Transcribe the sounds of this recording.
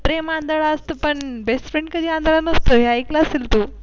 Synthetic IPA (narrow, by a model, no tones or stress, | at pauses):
pɾemaːnd̪aɭast̪opɐɳbesʈfɾẽɳɖkɐd͡ʑiãnd̪aɭanost̪oɦjaiklasilt̪u